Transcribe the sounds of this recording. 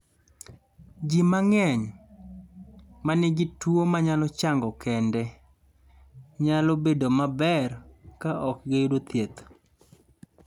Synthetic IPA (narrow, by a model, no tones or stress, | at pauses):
d͡ʒimaŋɛɲ | manɪɡɪtwomaɲalɔt͡ʃaŋɡɔkʰɛndɛ | ɲalɔbedomabɛrkaʔɔk̚ɡedot̪jet̪